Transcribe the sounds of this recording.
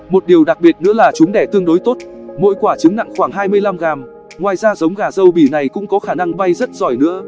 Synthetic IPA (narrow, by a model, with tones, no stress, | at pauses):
mo˨˩t̚ɗi˨˩əwɗa˨˩k̚ɓi˨˩ət̚nɨ̰˧˥əlaː˨˩t͡ɕʊ˨˦ŋ͡mɗɛ˧˩t̪ɨ˧əŋɗo˨˦jt̪o˦˥t̚mo̰˧˨jkwaː˧˩t͡ɕɨ˨˦ŋna̰˧˨ŋxwaː˧˩ŋɦaː˧jmɨ˧əjla˧mɣaː˨˩m | ŋwaː˨˩jzaː˧zə˨˦wŋ͡mɣaː˨˩zə˧wɓi˧˩na˨˩jkʊ̰˧˥ŋ͡mkɔ˨˦xaː˧˩na˧ŋɓa˧jzə˦˥t̚zɔ˧˩jnɨ̰˧˥ə